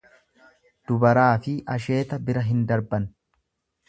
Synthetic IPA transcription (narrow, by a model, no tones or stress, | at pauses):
d̪̥ʊbɐɾaːfɪʔɐʃ̬e̞ːt̪ɐbɪɾɐɦɪnd̪ɐɾbɐn